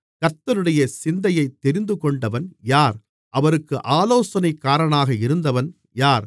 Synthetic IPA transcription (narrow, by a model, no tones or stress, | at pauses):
kɐt̪ːɐɾɯɽɐjɐsɪnd̪ɐjɐɪt̪ːɛɾɪnd̪ɯkɔɳɖɐʋɐnjaːɾ | ʔɐʋɐɾɯkːɯʔaːloːsɐnɐɪkːaːɾɐɳaːɣɐɪɾɯnd̪ɐʋɐn | jaːɾ